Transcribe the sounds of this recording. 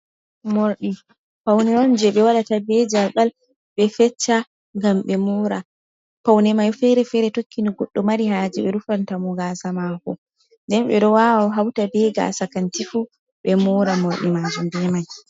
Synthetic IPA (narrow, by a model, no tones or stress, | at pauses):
moɾɗi | pawnɛɔnd͡ʒɛɓɛwaɗatabɛd͡ʒalɓal | ɓɛfɛt͡ʃːa | ŋɡamɓɛmɔɾa | pawnɛmajfɛɾɛfɛɾɛtokːiniɡɔɗːɔmaɾihaːd͡ʒɛɓɛɾufantamɔɡaːsamakɔ | ndɛnɓɛ̰ɗɔwawɔɦawtabɛɡa̰ːsakantifu | ɓɛmɔːɾamoɾɗimad͡ʒumdɛmaj